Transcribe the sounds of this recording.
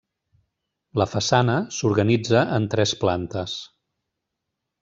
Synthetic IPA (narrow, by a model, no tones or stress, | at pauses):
ləfəsanəsuɾɣənid͡zəʔənt̪ɾɛsplant̪əs